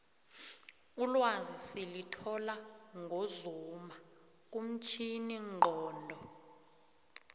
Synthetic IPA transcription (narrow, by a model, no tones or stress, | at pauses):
ulwazisilitʰɔlaŋɡʱozuma | k̬ʼum̩t͡ʃʰiniŋ͡ǃʱɔːndʱɔ